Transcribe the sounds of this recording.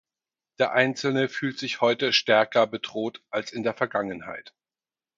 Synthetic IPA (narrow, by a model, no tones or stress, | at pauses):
d̥eːɐʔaɪnt͡sl̩nəfyːltz̥ɪçhɔʏtəʃtɛɐkɐbədʁoːtʔalsɪndeːɐfɛɐɡaŋənha̰ɪt